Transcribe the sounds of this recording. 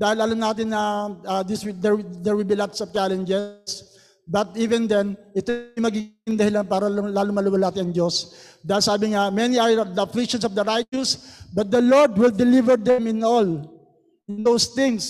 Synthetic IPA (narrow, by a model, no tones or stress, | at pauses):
d̪aːhɪlɐlamnaːt̪ɪnːɐad̪ɪswd̪ɛɹd̪ɛɹwɪlbilat̪sɔvt͡ʃalɛnd͡ʒɛs | bɐt̪̚ʔiːvɛnd̪ɛnʔɪt̪oʊmɐɡiɪnd̪ɐhɪlanpaːɾɐlaːlʊŋmɐlumɐlaːt̪ɪɐŋd͡ʒ̪os | d̪aːhɪlsaːbɪŋamɛniɐɹd̪ɐɐflɪk̚ʃɔnsɔvd̪ɐɾajt͡ʃʊsbɐt̪̚d̪ɐloɹd̪wɪld̪ɛlivɛɹd̪ɛmɪnol | ɪnd̪owst̪ɪ̃ŋs